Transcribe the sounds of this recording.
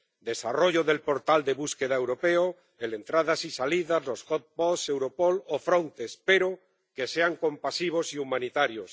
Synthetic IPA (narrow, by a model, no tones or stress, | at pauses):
d̪e̞saroʝoðe̞lpo̞ɾt̪ald̪eβuskeð̞aewɾopeo | ele̞nt̪ɾaðasisaliðazlosot̪̚posewɾopolofɾont̪espeɾo | keseaŋkõ̞mpasiβ̞osiumanit̪aɾjos